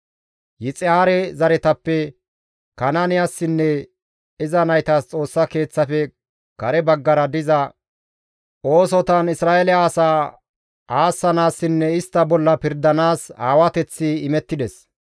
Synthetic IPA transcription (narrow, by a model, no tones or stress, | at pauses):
jɪt͡sʼɪaːɾɛzɐɾɛt̪ɐpːɛ | kɐnanɪjasːɪnːɛ | ɪzɐnɐjt̪aːst͡sʼo̞ːsːɐke̞ːt͡sːɐfɛ | kɐɾɛbɐɡːɐɾɐd̪ɪzɐ | ʔo̞ːsɔt̪ɐnɪsɾaːelɛaːsaː | aːsːɐnaːsːɪnːɛɪst̪ːɐbɔlːɐpɪɾd̪ːɐnaːsaːwɐt̪ɛt͡sːɪɪmɛt̪ːɪd̪ɛs